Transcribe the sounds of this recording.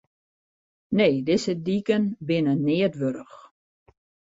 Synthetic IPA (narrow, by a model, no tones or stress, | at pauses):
neːdɪsədikənbɪnənɪːətʋøɾəx